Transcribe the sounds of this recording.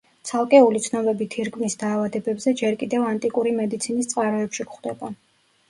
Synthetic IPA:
t̪sʰalˠkʼɛulit̪sʰnɔbɛbit̪ʰiɾkʰʼvnisd̪aːvad̪ɛbɛbzɛd͡ʒɛɾkʼid̪ɛvant̪ʼikʼuɾimɛd̪it̪sʰinist̪sʼqʼaɾɔɛpʃikχd̪ɛba

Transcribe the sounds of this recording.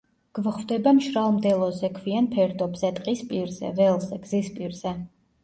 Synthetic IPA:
ɡ̥vχvd̪ɛbamʃɾalˠmd̪ɛlˠɔzɛkʰvianpʰɛɾd̪ɔbzɛt̪ʼqʼispʼiɾzɛ̰vɛlˠzɛɡ̥zispʼiɾz̥ɛ

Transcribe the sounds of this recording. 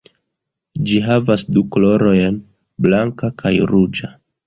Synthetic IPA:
d͡ʒiɦavasduklo̞ɾo̞jn | blaŋkakʰajɾud͡ʒa

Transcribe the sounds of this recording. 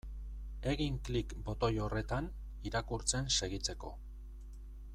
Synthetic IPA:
e̞ɣiŋklikbo̞t̪o̞jo̞re̞t̪an | iɾakuɾt͡se̞nse̞ɣit͡se̞ko̞̰

